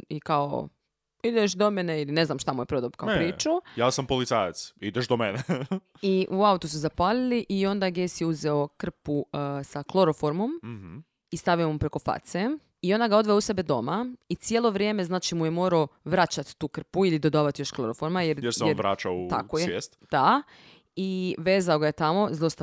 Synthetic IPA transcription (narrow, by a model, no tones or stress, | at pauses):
ikao̰ | id̪eʃ̬d̪omeneiline̞znamʃt̪amujepɾod̪obkaopɾiːt͡ʃujaːsampolit̪saːjat̪sid̪eʃd̪omene | iʔuaut̪usuzapaːliliʔio̞nd̪aɡeːsjeuzeo̞kr̩pusaklˠo̞ɾofoɾmo̞m | ist̪aʋio̞mupɾe̞ko̞fa̰t̪se | io̞nd̪aɡao̞d̪ʋeousebe̞d̪o̞̰mait̪sjelˠo̞ʋɾje̞me̞znaːt͡ʃimujemo̞ːɾaoʋɾat͡ʃat̪ːuːkr̩puilid̪od̪aːʋat̪jo̞ʃklˠoɾofoɾmajeɾjeɾsɛoeɾʋɾa̰ːt͡ʃaua̰kojjeːst̪d̪̥a | iʋe̞ːzaoɡajet̪amo̞zlˠost̪a